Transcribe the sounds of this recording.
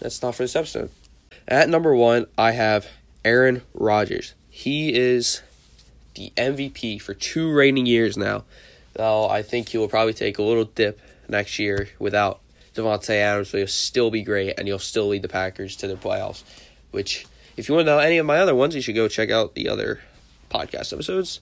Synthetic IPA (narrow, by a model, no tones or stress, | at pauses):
ðæ̰tstɑtfə˞ðɨsɛbsɨ̰̃n | ʔɨtⁿnʌ̃mbə˞wʌ̃nʔaɪɨv | ɛɹɨ̃nɹɑd͡ʒə̰˞z̥ | iɪz̥ | ðḭʔɛ̃ɱvipʰifə˞tʰʉɹẽɪ̃nɪ̃ŋjɪɹzna̰ʊ | ðoʊa̰ɪθɪ̃ŋkʰhiwl̩ˠpʰɹ̥ɑbəblitʰḛɪkəlɪɾl̩ˠdɪp̚ | nɛkst̚jɪɹwɨθaʊt̚ | d̥ʌvətseɪæɾə̃msoilˠstɪlˠbiɡɹeɪtɨ̰̃nil̩ˠstɪlˠid̪̚ðɨpʰækə˞z̥tʰɨðəpʰl̥ḛɪ̰lˠz̥ | wɪt͡ʃ | ɨfjɨwɑ̃nnoʊɛniʌvmaɪʌðə˞wʌ̃nzjɨʃɨd̚ɡoʊt͡ʃʰɛkaʊt̪̚ðḭʔʌ̰ðə̰˞ | pʰɑ̰d̚kʰæ̰stɛ̰pəsoʊdz̥